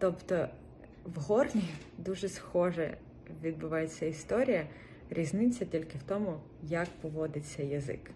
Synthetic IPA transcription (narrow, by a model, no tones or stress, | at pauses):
t̪ɔpt̪ɔ | ʋɦɔrnʲi | d̪uʒɛsxɔʒɛ̰ | ʋʲid̪̚bʊʋɑjet͡sʲːɐist̪ɔɾʲijɐ | ɾʲiznɪt͡sʲːɐtʲilʲkɪwt̪ɔmʊ | jɐkpɔʋɔd̪ɪt͡sʲːɐjɐzɪ̰k